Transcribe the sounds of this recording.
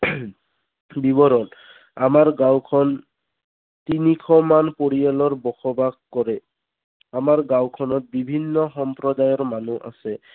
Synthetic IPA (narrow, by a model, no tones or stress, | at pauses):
bibɔɹɔn | amaɹɡawkʰɔn | tinikʰɔmanpoɹijalɔɹbɔxɔbaɡkɔɹɛ | amaɹɡawkʰɔnɔt̚bibʱinːɔxɔmpɹɔdajɔɹmanuʔa̰sɛ